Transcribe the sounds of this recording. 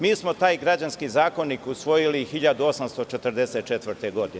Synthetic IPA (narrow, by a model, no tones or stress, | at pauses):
miːsmo̞t̪aːjɡɾad͡ʑanskiːzaːko̞niːkusʋo̞jilixiʎad̪uo̞samst̪ot͡ʃet̪ər̩d̪eset̪̚t͡ʃet̪ʋərɾt̪eɡo̞d̪in